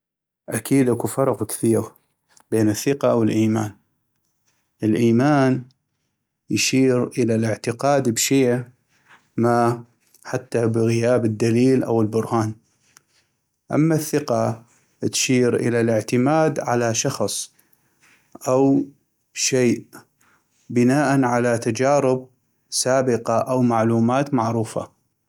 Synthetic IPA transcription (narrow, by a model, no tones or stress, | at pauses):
ʔakʰiːd̪ʔakufɑɾˤqkθiːɾ | beːnɪθːɪqaʔwəlʔiːmaːn | ʔəlʔiːmaːn | jʃiːɾʔəlalɪʕt̪ɪqɑːd̪bʃeː | ma | ħat̪ːabɣɪjaːbɪd̪ːaliːlʔa̰wəlbʊɾˤhaːn | ʔa̰mːaθːɪqa | t̪ʃiːɾʔɪ̰lalɪʕt̪ɪmaːd̪ʕalaʃɑxsˤ | ʔaw | ʃeːʔ | bɪnaːʔanʕalat̪ad͡ʒaːɾɪb̚ | saːbɪqɑʔawmaʕluːmaːt̪maʕɾuːfa̰